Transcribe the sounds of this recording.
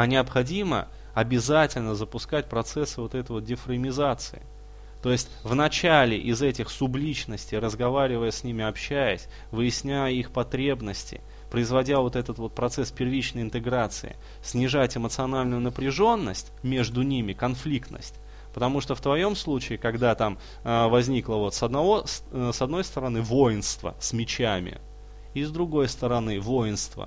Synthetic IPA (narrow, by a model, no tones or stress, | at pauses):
ɐnʲɪɐpxɐdʲimə̰ | ɐbʲɪzatʲɪlʲnəzəpʊskat̚ʲpɾɐt̪sɛsːɨvo̞t̪ɛt̪əjvot̪̚ʲdʲɪfɾəmʲɪzat̪sɨɪ | t̪o̞jɪsʲtʲvnɐt͡ɕælʲɪ̰ʔɪzɛtʲɪxsʊblʲit͡ɕnəsʲtʲɪjrəzɡɐvaɾʲɪvəjəsʲnʲimʲɪɐpɕːæjəsʲ | vɨjɪsʲnʲæjəixpɐt̪ɾʲe̞bnəsʲtʲɪ̰ | pɾəɪzvɐdʲavo̞t̪ɛt̪ət̪vo̞t̪̚pɾɐt̪sɛspʲɪrvʲit͡ɕnəjɪnt̪ɨɡɾat̪sɨ̰ɪ̰ | sʲnʲɪʐatʲɪmət̪sɨɐnalʲnʊjʊnəpɾʲɪʐo̞nːəsʲtʲmʲe̞ʐd̪ʊnʲimʲɪkɐnflʲikt̪nə̰sʲtʲ | pət̪ɐmuʂt̪oft̪vɐjo̞mslˠut͡ɕɪːkɐɡd̪at̪am | vɐzʲnʲiklˠəvo̞t̪sɐd̪nɐvossɐd̪no̞jst̪əɾɐnɨvo̞jɪnst̪və̰sʲmʲɪt͡ɕæmʲɪ̰ | izd̪ɾʊɡo̞jst̪əɾɐnɨvo̞jɪnst̪və̰